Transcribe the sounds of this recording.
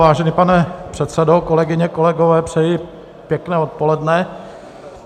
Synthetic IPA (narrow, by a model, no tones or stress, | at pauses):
vaːʒɛnipanɛpr̥ɛt̪sɛdokolɛɡɪɲɛkolɛɡovɛːpr̝̥ɛjɪ | pjɛknɛːot̪̚polɛdnɛ